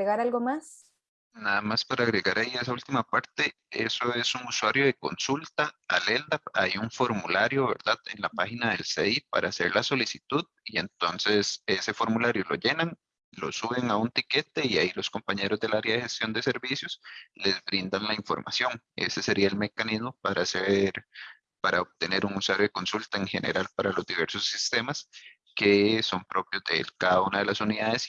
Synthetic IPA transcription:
eɣaɾalɡomas | naðamaspaɾaːɣɾeɣaɾʔaies̬ault̪imapaɾt̪e̞ | e̞̰soe̞suŋuswaɾjo̞ðe̞ko̞̰nsult̪aa̰leld̪apajuɱfo̞ɾmulaɾjo̞βe̞̰ɾd̪aðenlapaxinaðe̞lseipa̰ɾaːse̞̰ɾlaso̞lisit̪uðie̞nt̪o̞nse̞se̞sefo̞ɾmulaɾjo̞lo̞̰ʝe̞naŋ | lo̞̰suβe̞ŋaunt̪ike̞t̪e̞iailo̞sko̞mpaɲe̞ɾo̞zd̪e̞laɾjaðexe̞st̪jo̞nd̪e̞se̞ɾbisjo̞sle̞zbɾind̪aŋlaiɱfo̞ɾmʔa̰sjo̞ŋ | ḛse̞se̞ɾʔiaelme̞kanizmo̞paɾʔaseɾ | paɾaop̚t̪e̞ne̞ɾuŋuswaɾjoe̞ko̞nsult̪aeŋxe̞ne̞̰ɾalpaɾalo̞zd̪iβe̞ɾso̞sːist̪e̞mas | ke̞so̞mpɾo̞pjozd̪elkaðaunað̞e̞lasuniðaðes

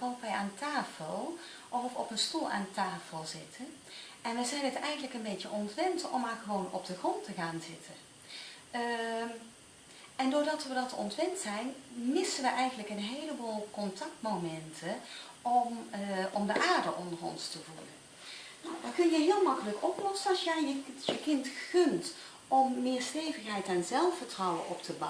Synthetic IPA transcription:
ʋɑntʋɛjaːntʰaːfəlˠ | ʔɔfɔpənstulˠa̰ːntaːfəlˠzɪtʰən | ɛnʋɛjzɛjnətɛjɣəndələkənbetjəʔɔntʋɛntɔ̰mːaːɹɣəʋownɔ̰b̚dəxrɔntəɣaːnzɪtʰə | ɛndʊːɹdɑtʋədɑtɔ̰ntʋɛntsɛjnmɪsənʋəʔɛjɣənləkənɦejləboːlˠkɔntɑk̚tmowmɛntʰə | ɔmʔɔmdəʔaːɹdəʔɔndərɔ̰nstəvulə̰n | nowdɑkɵnjəɦɪːlˠmɑkələkɔplɔsənɑsjɛəjəkɪntχɵnt | ɔmːɪːɹstejvəxɦɛjtɛnzɛlˠfəɹtrɑwəʔɔptʰəb

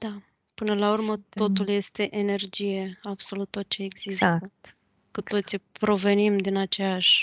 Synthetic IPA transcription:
d̪̥a | pɨnəlaurmət̪o̞t̪ulje̞st̪e̞ʔene̞rd͡ʒije̞ab̥so̞lut̪ːot̪̚t͡ʃe̞ːɡz̥ist̪ə | kut̪o̞t̪sipɾo̞ve̞nimd̪inat͡ʃejaʃʲ

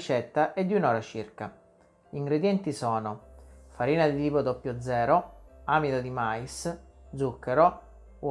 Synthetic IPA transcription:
it͡ʃɛt̪ːaʔɛd̪ːunɔːɾat͡ʃirka̰ | iŋɡɾed̪jɛnt̪isɔːnofaɾiːnad̪iliːpod̪opːjod̪zːɛːɾoamid̪ad̪imaisd̪zukːeɾo

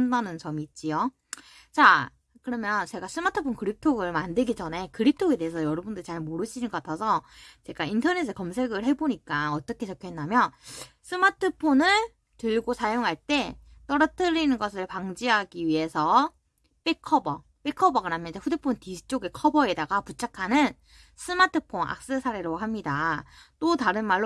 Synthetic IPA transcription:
ndanɯnt͡ɕʌmiːt̚t͡ɕ͈ijo | t͡ɕa | kɯɾʌmjʌnt͡ɕe̞ɡas͈ʰɯmatʰɯpʰonkɯɾip̚tʰoɡɯɭmandɯɭɡid͡ʑʌne̞kɯɾip̚tʰoɡe̞te̞esʰʌjʌɾʌbundɯit͡ɕaɭmoɾɯɕʰinɯnɡʌk͈atʰasʰʌt͡ɕe̞ɡaintʰʌne̞s̬ʰɯkʌmsʰe̞ɡɯɭɦe̞boɲik͈aʌt͈ʌkʰe̞t͡ɕʌkʰjɦendamjʌn | s͈ʰɯmatʰɯpʰonɯɭ | tɯɭɡosʰajoŋɦaɭt͈e̞t͈ʌɾʌt͈ʰɯɾinɯnɡʌsʰɯɭpaŋd͡ʑiɦaɡiɥiɦe̞sʰʌ | p͈ekʰːʌbʌ | p͈ekʰʌbʌɡɯɾamjʌnd͡ʑeɸudepʰontisʰɯ̥t͡ɕ͈oɡe̞kʰʌbʌe̞daɡaput͡ɕʰakʰanɯn | s͈ʰɯmatʰɯpʰona̰k̚s͈ɯsʰaɾe̞ɾoɦamɲidat͈otaɾɯnmaɭː

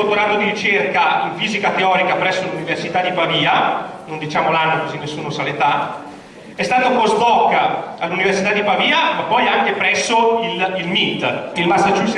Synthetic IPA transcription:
ot̪ːoɾat̪ːod̪iɾit͡ʃerkaiɱfiːzikat̪eɔːɾikapɾɛsːoluniversit̪ad̪ipaviːanond̪it͡ʃaːmolanːokozinːesːuːnosalet̪a | ɛst̪aːt̪oapost̪ɔkːaalːuniversit̪ad̪ipaviːamapːɔjaŋk̟epɾɛsːoililmit̪ːilmastːat͡ʃu

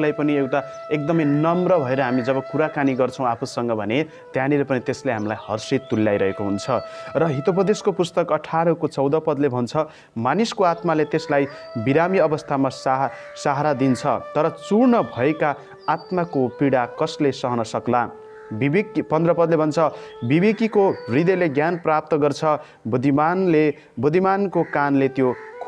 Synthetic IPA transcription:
lajpʌniewʈaek̚d̪ʌmʌjnʌmrʌbʱʌeɾʌɦamid͡zʌbʌkuɾakaniɡʌrt͡sʰʌ̃w̃apʰusʌŋɡʌbʱʌne | t̪janilepʌnit̪esleɦamlajhʌrsit̪ːulːjajɾʌɦekoɦunt͡sʰʌrʌɦit̪opʌd̪eskopust̪ʌkʌʈʰaɾʌkot͡sʌwd̪ʌpʌd̪lebʱʌnt͡sʰʌ | maniskoat̪malet̪eslaj | biɾamiʌbʌst̪ʰamasa | saɦaɾad̪int͡sʰʌt̪ʌɾʌt͡surnʌbʱʌekaː | t̪makopiɽakʌslesʌɦʌnʌsʌkla | bibekpʌnd̪rʌpʌd̪lebʱʌnt͡sʰʌbibekikorid̪ʌleɡjanprap̚t̪ʌɡʌrt͡sʰʌ | bud̪ʱimanle | bud̪ʱimankokanlet̪jokʰ

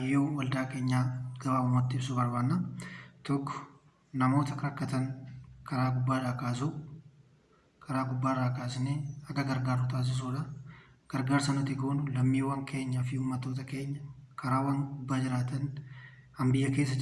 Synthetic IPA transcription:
jːoːwɐld̪aːke̞ːɲːaːɡɐbaːmɐmoːt̪ːɪɪbsʊbɐɾbaːnːɐt̪ɔkːɔ̥ | nɐmo̞ːt̪ɐkɐɾɐkːɐt̪ɐnkʰɐɾaːɡʊbːaːɾaːkaːs̬u | kʰɐɾaːɡʊbːaːɾaːkaːsɪneːhɐɡ̪ɐɡɐɾɡaːɾːʊt̪aːs̬ɪs̬uːᶑɐ | ɡ̥ɐɾɡaːɾsɐnɐt̪ɪɡoːnʊlɐmːiːwɐŋkʰe̞ːɲːɐfɪhuːmːɐt̪ːoːt̪̬ɐke̞ːɲːɐkʰɐɾaːwɐŋɡʊbːaːd͡ʒɪɾaːt̪ɐnhɐmbɪjːɐke̞ːs̬ːɐd͡ʒ

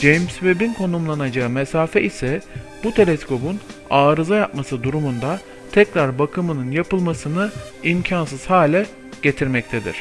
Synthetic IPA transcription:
d͡ʒejmsvebinkʰo̞numlˠanad͡ʒaɯmesaːfɛʔisɛ | b̥ut̪ʰe̞lʲɛsko̞bunaːɾɯzajap̚masɯd̪uɾumund̪a | t̪ʰɛcɾaɾbakʰɯmɯnɯnjapɯlˠmasɯnɯ | imcʰans̬ɯz̥haːlʲɛ | ɟ̥e̞t̪ʰiɾmɛc̚t̪ʰed̪ḭɾ̥

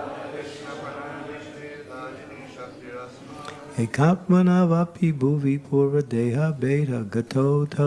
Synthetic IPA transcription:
ekʰãːpmɐnaːʋaːpʰibʱuːʋipʰuːɾʋɐd̪ejɦɐbejɾɐɡɐt̪ʰowt̪ʰɐ

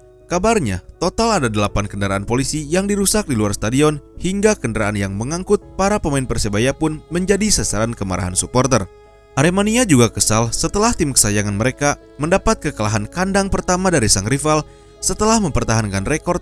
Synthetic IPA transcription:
kabarɲa̰t̪ot̪aladadəlapankəndəɾaʔanpolisijaŋdiɾusak̚diluarst̪adiɔnhiŋɡakəndəɾaʔanjaŋməŋaŋkʊt̪̚paɾapəmaɪnpərsəbajapʊnməɲd͡ʒadisasaɾankəma̰ɾa̰ɦansupɔrt̪ər | ʔaɾemaniad͡ʒuɡakəsalsət̪əlaht̪ɪmkə̥sajaŋanməɾeka | məndapat̪̚kəkəlaɦankandaŋpərt̪amadaɾisaŋrifal | sət̪əlahməmpərt̪aɦankanrekɔrt̪̚

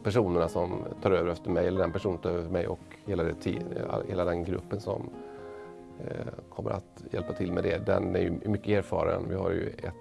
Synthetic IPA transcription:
pʰæʂuːnəɳasɔmt̪ʰɑːɾøːvəɾɛft̪əɾmɛjɛlːəɖɛnpæʂuːnnt̪ʰɑːɾøːvəɾmɛjʔɔk | heːlːaɖɛt̪ʰḭːa̰heːlad̪ɛnɡɾɵ̰pːənsɔ̰m | kʰɔmːə̰ɾat̪jɛlpat̪ʰɪlmɛd̪ɛd̪ɛ̰næɾjɵjmʏkːəeːɾfɑːɾaə̰nvɪha̰ɾjɵ̰ɛt̪

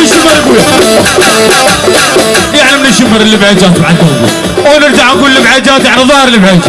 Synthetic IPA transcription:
ɪʃɪmɑɾˤjɡuːla | jaʕnimnɪʃɪmɑɾˤɪlːɪbʕad͡ʒaːt̪maʕad̪anɡṵːl | onɪɾd͡ʒaʕaɡuːllːɪbʕad͡ʒaːt̪jaʕniðˤɑhɑɾlːɪbʕad͡ʒa

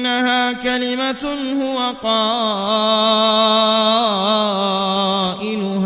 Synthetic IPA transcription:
nːahaːkalɪmahʊwaqɑː | ʔɪlʊh

